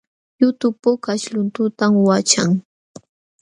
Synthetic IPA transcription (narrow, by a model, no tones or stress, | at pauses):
jʊt̪ʊpʊkaʃlʊnt̪ʊt̪amwat͡ʃaŋ